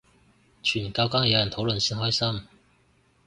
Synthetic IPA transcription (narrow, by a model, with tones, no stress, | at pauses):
t͡ʃʰy˨˩nkaː˧wkaː˥ŋjɐ˧˥wjɐ˨˩nt̪ʰo˨˧˥wlə˧˨nsi˥nɦɔː˥jsɐ˥m